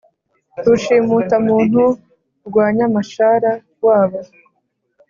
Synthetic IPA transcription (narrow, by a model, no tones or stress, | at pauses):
duʃimutamuːn̥hu | ɾɡwaːɲamaʃaɾa | waːβo